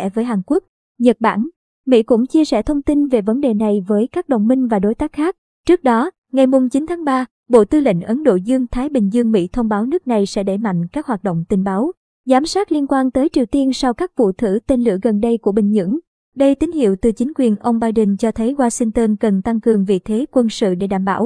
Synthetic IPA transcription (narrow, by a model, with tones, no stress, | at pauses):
ɛ̰˧˩vəː˨˦jɦaː˨˩nku˦˥ək̚ | ɲə˨˩t̚ɓa̰ː˧˩n | mḭ˧˥kʊ̰˧˥ŋ͡mt͡ɕi˧əsɛ̰˧˩t̪ʰə˧wŋ͡mt̪i˧nve˨˩və˨˦nɗe˨˩na˨˩jvəː˨˦jkaː˦˥k̚ɗo̰˧˨wŋ͡mmï˧ŋ̟vaː˨˩ɗo˨˦jt̪aː˦˥k̚xaː˦˥k̚ | t͡ɕɨ˦˥ək̚ɗɔ˨˦ | ŋa˨˩jmu˨˩ŋ͡mt͡ɕi˨˦nt̪ʰaː˨˦ŋɓaː˧ | ɓo̰˧˨t̪ɨ˧lḭ˧˩ŋ̟ʔə˨˦nɗo̰˧˨zɨ˧əŋt̪ʰaː˨˦jɓï˨˩ŋ̟zɨ˧əŋmḭ˧˥t̪ʰə˧wŋ͡mɓaː˨˦wnɨ˦˥k̚na˨˩jsɛ̰˧˥ɗe˧˩ma̰˧˨jŋ̟kaː˦˥k̚ɦaː˨˩t̚ɗo̰˧˨wŋ͡mt̪ï˨˩ŋɓaː˨˦w | zaː˨˦msaː˦˥t̚li˧ənkwaː˧nt̪əː˨˦jt͡ɕi˨˩əwt̪i˧ənsa˧wkaː˦˥k̚vṵ˧˨t̪ʰɨ˧˩t̪e˧nlɨ̰˧˩əɣə˨˩nɗə˧jku˧˩əɓï˨˩ŋ̟ɲɨ̰˧˥ŋ | ɗə˧jt̪i˨˦ŋ̟hḭ˧˨wt̪ɨ˨˩t͡ɕï˨˦ŋ̟kwi˨˩ənʔə˧wŋ͡mɓaː˧jɗə˧˩nt͡ɕɔ˧t̪ʰə˨˦jɣwaː˧si˧ŋt̪əː˧nkə˨˩nt̪a˧ŋkɨ˨˩əŋvḭ˨˩t̪ʰe˨˦kwə˧nsɨ̰˧˨ɗe˧˩ɗa̰ː˧˩mɓa̰ː˧˩w